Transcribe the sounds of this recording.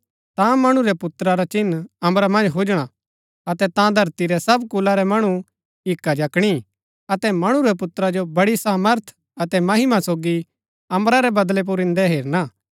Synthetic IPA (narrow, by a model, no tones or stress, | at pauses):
t̪ãmɐɽ̃ũɾɛpʊt̪ɾaɾat͡ʃɪnːɐ̃mɾamɐ̃nd͡ʒɦʊd͡ʒɽ̃a | ɐt̪ɛt̪ãd̪ʱɐɾt̪iɾɛsɐbkʊlaɾɛmɐɽ̃u | ɪkːad͡ʒɐkɽ̃i | ɐt̪ɛmɐɽ̃ũɾɛpʊt̪ɾad͡ʒobɐɽisaːməɾt̪ʰ | ɐt̪ɛmɐɦɪmasoːɡi | ɐ̃mɾaɾɛbɐd̪lɛp̬ʊɾɪ̃nd̪ɛɦeːɾnaː